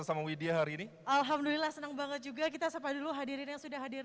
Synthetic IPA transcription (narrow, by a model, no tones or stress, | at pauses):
əsamawideaɦaɾiːni | ʔalɦamdulilahsənəŋbaŋət̪̚d͡ʒuɡakit̪asəpaduluɦadiɾɪnjaŋsudahɦadɪr